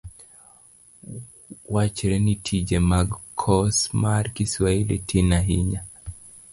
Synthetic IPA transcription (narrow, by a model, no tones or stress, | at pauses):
wat͡ʃɛɾɛnitʰid͡ʒɛmaɡkʰɔsmaɾkiswailitʰinaɦiɲa